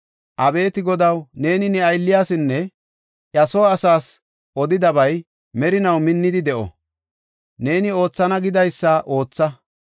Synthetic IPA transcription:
ʔɐbe̞ːt̪ɪɡɔd̪ɐwne̞ːnɪnɛɐjlːɪjaːsɪnːɛ | ʔjɐsoːɐsaːs | ɔd̪ɪd̪ɐbɐj | mɛɾɪnɐwmɪnːɪd̪ɪd̪ɛʔɔ̰ | ne̞ːnɪo̞ːt͡sːɐnɐɡɪd̪ɐjsːɐʔo̞ːt͡sːɐ

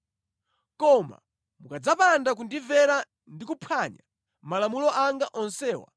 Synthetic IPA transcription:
kɔma̰ | mukad͡zapandak̬undivɛɾa | ndikupʰaɲa̰ | malamulɔʔaŋɡaʔɔnsɛːwa̰

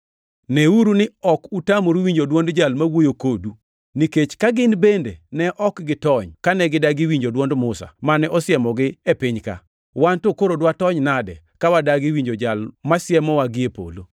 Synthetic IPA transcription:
nɛuɾunɪɔkutamoɾwiɲd͡ʒodwɔndd͡ʒalmawojokodu | niket͡ʃkaɡɪnbendenɛʔɔkɡɪtɔɲkanɛɡɪdaɡɪwiɲd͡ʒodwɔndmʊsa̰manɛʔɔsɪɛmɔɡɪepɪɲka̰ | wantokoɾodwatɔɲnadɛ̰ | kawadaɡɪwiɲd͡ʒod͡ʒalmasjɛmɔwaɡɪepo̰lo

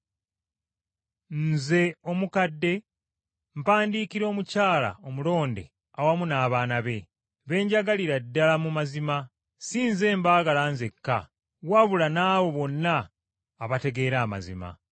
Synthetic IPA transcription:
nze̞o̞mukadːe̞ | m̩paːndiːkiɾo̞ːmucaːla̰o̞mulo̞ːnde̞̰ | awamunaːβaːnaβe̞ | βe̞ːɲɟaɡaliɾadːalamumazima | siːnze̞ːmbaːɡalanze̞kːa̰ | waβulanaːβo̞βo̞nːaː | βate̞ɡe̞ːɾaːma̰zḭma̰

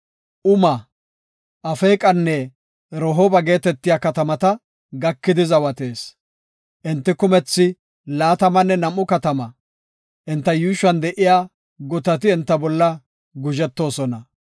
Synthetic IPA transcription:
ʔʊmɐ | ʔɐfeːkʼɐnːɛ | ɾɔɦoːbɐɡe̞ːt̪ɛt̪ːɪjaːkɐt̪ɐmɐt̪ɐ | ɡɐkːɪd̪ɪzɐwɐt̪e̞ːs | ʔɪnt̪ːɪkʊmɛt͡sːɪ | laːt̪ɐmɐnːɛnɐmːʊkɐt̪ɐmɐ | ʔɪnt̪ːɐjuːʃɐnd̪ɛʔɪjaː | ɡɔt̪ɐt̪ɪɛnt̪ːɐbɔlːɐ | ɡʊʒɛt̪ːo̞ːsɔnɐ

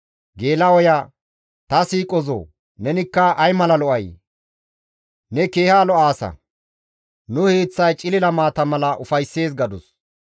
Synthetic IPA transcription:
ɡe̞ːlɐwɔja | t̪ɐsiːkʼɔzo̰ː | nɛnɪkːɐʔɐjmɐlɐlɔʔɐj | nɛke̞ːhaːlɔʔaːsɐ̰ | nʊheːt͡sːɐjt͡ʃʼɪlɪlɐmaːt̪ɐmɐlɐʔʊfɐjsːe̞ːs̬ɡɐd̪ɔs

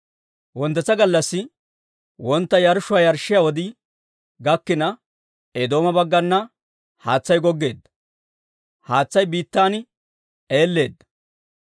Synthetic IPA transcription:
wɔnt̪ːɛt͡sːɐɡɐlːɐsːɪ | wɔnt̪ːɐjɐɾʊʃʊwaːjɐɾʃːɪjawɔd̪ɪ | ɡɐkːɪnɐ | ed̪o̞ːmɐbɐɡːɐnːɐ | haːt͡sːɐjɡɔɡːe̞ːd̪ːɐ̥ | haːt͡sːɐjbiːt̪ːaːnɪ | eːlːe̞ːd̪ːɐ̥

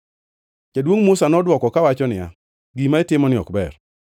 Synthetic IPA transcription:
t͡ʃadwoŋmʊsanɔdwɔkɔkawat͡ʃɔnɪa̰ | ɡimaetɪmɔnɪɔ̰kbɛr

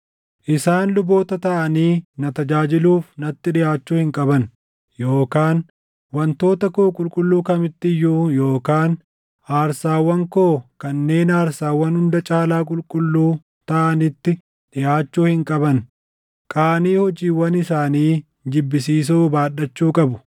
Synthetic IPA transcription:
ʔɪsaːnlʊbo̞ːt̪ɐt̪ɐʔɐniːnɐt̪ɐd͡ʒaːd͡ʒɪluːfnɐt̪ːɪᶑɪʔaːt͡ʃːuːhɪŋkʼɐbɐn | jo̞ːkaːn | wɐnt̪o̞ːt̪ɐkʊkʼʊlkʼʊlːuːkɐmɪt̪ːɪjːuːjo̞ːkaːn | ʔaːɾsaːwːɐŋkoːkɐnːe̞ːnaːɾsaːwːɐnhʊnd̪ɐt͡ʃʼaːlaːkʼʊlkʼʊlːuː | t̪ɐʔɐnɪt̪ːɪ | ᶑɪjʔaːt͡ʃːuːhɪŋkʼɐbɐn | kʼaːniːhɔd͡ʒiːwɐnɪsaːniː | d͡ʒɪbːɪs̬iːs̬uːbaːɗɐt͡ʃːuːkʼɐbʊ

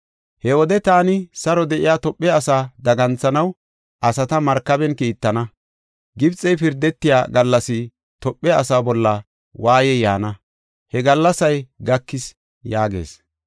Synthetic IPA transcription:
hɛwɔd̪ɛt̪aːnɪsɐɾɔd̪ɛʔɪjaːt̪ɔpʼːɛɐsaːd̪ɐɡɐnt͡sːɐnɐw | ʔɐsɐt̪ɐmɐɾkːɐbɛnkiːt̪ːɐnɐ | ɡɪbt͡sʼɛjpɪɾd̪ɛt̪ːɪja̰ːɡɐlːɐsɪ | t̪ɔpʼːɛɐsaːbɔlːɐ | waːjɛjaːnɐ | hɛɡɐlːɐsɐjɡɐkːɪs | jaːɡḛːs

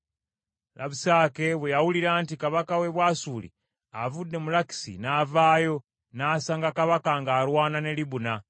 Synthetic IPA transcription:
lʔa̰βusaːke̞βwejawuliɾaːntikaβakawe̞βwaːsuːlḭ | avudːe̞mulaki̥sḭnaːvaːjo̞ | naːsaːŋɡakaβakaŋɡaːɾwaːnane̞liβuna

